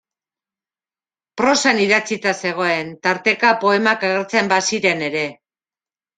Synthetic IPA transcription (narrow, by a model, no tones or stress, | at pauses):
pɾo̞saniðat͡sit̪ase̞ɣ̞o̞e̞nt̪aɾt̪e̞kapo̞e̞makaɣ̞eɾt͡sembasiɾe̞ne̞ɾe̞